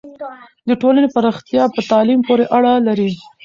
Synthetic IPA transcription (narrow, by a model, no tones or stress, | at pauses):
d̪əʈolanepaɾɑxt̪jɑpət̪ɑlimpoɾeʔaɽalaɾi